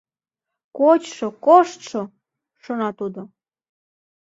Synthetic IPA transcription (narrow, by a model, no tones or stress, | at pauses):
kot͡ɕʃokoʃt̪ʃo | ʃonɑt̪ud̪o